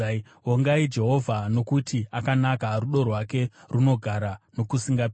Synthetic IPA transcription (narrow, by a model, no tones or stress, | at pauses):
oŋɡaid͡ʒe̞ɦo̞vʱano̞kutʰiakanakaruɗo̞rwake̞runo̞ɡʱaɾano̞kusiŋɡap